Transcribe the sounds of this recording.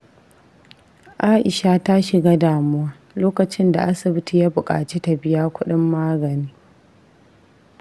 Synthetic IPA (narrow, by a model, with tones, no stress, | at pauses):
ʔa˦ʔɪ˨ʃa˦ta˦ʃɪ˨ɡa˦daː˨mʊ˦waː˦ | loː˦kɐ˨t͡ʃɪ˦nda̰˨ʔa˦sɪ˨bɪ˦ti˨jaː˦bʊ˨kʼa̰ː˨t͡ʃe˦ta˨bɪ˦jaː˦kʷʊ˦ɗɪ˦mːaː˦ɡɐ˨niː˦